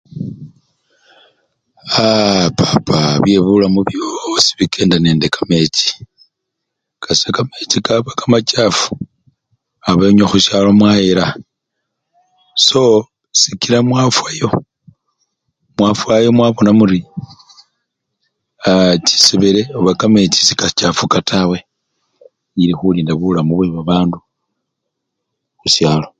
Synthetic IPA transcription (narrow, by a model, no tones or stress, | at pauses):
apʰapʰaβjeβulamuβjo̞si̥βikʰe̞ːndane̞ːnde̞kame̞t͡ʃi̥ | kasekame̞t͡ʃikaβakamat͡ʃafu̥ | aβeɲaxuʃalomwajiɾa | so̞ | sikiɾamwafwajo̞ | mwafwajo̞mwaβo̞namuɾi | t͡ʃi̥siβeɾeoβakamet͡ʃi̥sikat͡ʃafukatʰawe̞ | iɾixuliːndaβulamuβweβaβaːndu | xuʃjaːlo̞